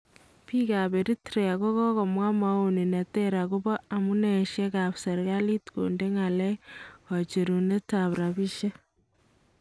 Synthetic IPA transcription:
pi˦ɣa˨βe˨ɾi˦tiɾea˨ɣo˦ɣo˦ɣo˨mwa˦mau˦ni˨na˨teɾa˨ɣu˦βo˦a˨mu˦neʃe˦ɣa˨βsa˨ɾɣa˦li˦tkṵːnde˦ŋa˨le˦ho˨t͡ʃi˨ɾu˨ne˦taβɾa˨βi˦ʃe˦

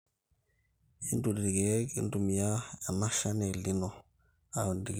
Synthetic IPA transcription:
i˦ndu˨di˨ɡe˦kḭ˦n˦du˨mi˨ja˦a˨ma˦ʃa˦ne˨li˦no˨ | a˨ndi˨ɡ

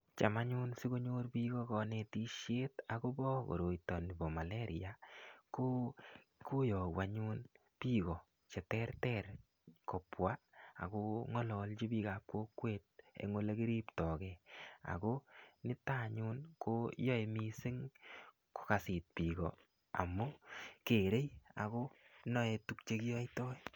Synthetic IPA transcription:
t͡ʃa˨ma˦ɲu˦nsi˦ko˦ɲo˦ɾpi˦kɔ˦kɔ˧ne˨ti˦ʃje˦tako˦bɔ˦ko̰˨ɾo˨jtɔ˨ni˨bɔ˨ma˨le˦ɾija˨ko˦ko˦jɔ˨wa˨ɲu˦n | pi˦ɣɔ˨ | t͡ʃɛ˨tɛ˦ɾtɛɾ | kɔ˨pwa˦a̰˨ko˦ŋɔ˦lɔ˨lt͡ʃi˦bi˦ka˨kkːwo˦kwe˦t̚ḛ˨ŋo˦le˦ki˦ɾi˦ptɔ˨kɛa̰˨ko˦nɪ˦ta˦ɲu˦nko˦jɔ˦e˧mi˦sɪ˦ŋ | ko̥˦ka˨si˨t̚pi˨ɡɔ̰˨ | a̰˨mu˦ke˨ɾe˦ja̰˨ko˦nɔ˦e˨tu˦k̚t͡ʃe˦kɪ˦jɔ˦tɔ˦j

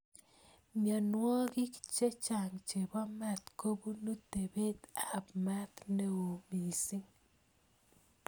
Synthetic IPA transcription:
mja˨nwɔ˦ɡɪ˦kt͡ʃe˦t͡ʃa˨ŋt͡ʃe˨ba˦ma˨t̪ko˦bu˦nu˦t̪e˨be˦t̪a˨pma˦t̪ne˦wo˨mi˨sɪ˦ŋ

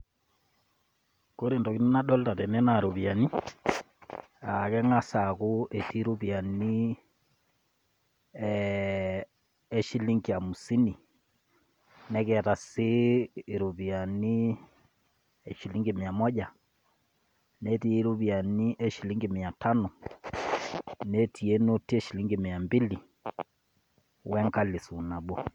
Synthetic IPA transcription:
ko˦ɾe˨ndɔ˨ki˦nu˦na˦ɗɔ˦lta˨tɛ˨nɛ˦na˨ɾu˨βja˨ni˦ | a˨kɛ˦ŋa˦sa˨ku˦ʔe˨ti˦ɾu˦pi˨a˨ni˦ | e˦ʃi˦li˦ŋɡi˨a˨mu˨si˦ni˨ | nɛ˦kɛ˨ta˨siː˦˨ɾu˨βi˨a˨ni˦ | ɛ˨ʃi˨li˦ŋɡe˨mɪ˨a˨mɔ˦ʄa˨ | nɛ˦ti˦ɾu˦βja˨ni˦ʔɛ˦ʃi˨li˦ŋɡe˨mɪ˨a˨tʰa˦nɔ˨ | nɛ˦tʰi˨e˦no˦ti˦ɛ˦ʃi˨li˦ŋɡe˨mɪ˨a˨mbi˦li˨ | wɛ˦ŋka˦lɪ˨su˨na˨ɓɔ˦

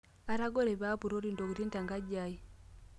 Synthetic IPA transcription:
a˨ɾa˦ɡo˦ɾe˨βa˦pu˨ɾo˦ɾi˨ndo˨ku˨ti˦nta˨ŋɡa˦ɟa˦i˦

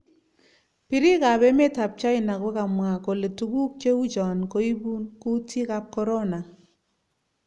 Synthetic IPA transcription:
pi˨ɾi˦ka˨bɛ˦me˦ta˨p̚t͡ʃa˦ɪ˨na˨kwɛ˦ka˨mwa˨ko˨le˨tu˨ɡu˦k̚t͡ʃe˦u˦d͡ʒɔ˨nko˨i˦bu˦nku˦tʰi˦ka˦p̚kɔ˦ɾɔ˦na˨

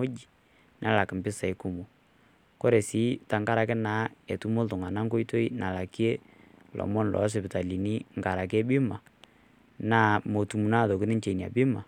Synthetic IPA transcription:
o˦d͡ʒi˨ | nʔa˦la˨kɪ˨mbɪ˦sa˨jku˨mu˨ | kɔ˦ɾe˨si˦ta˨ŋɡa˦ɾa˨kɛ˦naː˦e˨tu˦mo˦ltʊ˨ŋa˨na˦ŋko˦jto˦i˦na˨la˨kje˦ | lʔɔ̰˨mɔ˦nlʔɔ̰˨˦s̬ɛ˨pɪ˨ta˨li˨ni˦ŋ˨ɡa˨ɾa˨k̬e˦bɪ˦ma˨ | na˦mo˨tu˨mu˨na˦˨ðo˨kɪ˦nɪ˦nt͡ʃe˨n˨a̰˨bɪ˦ma˨

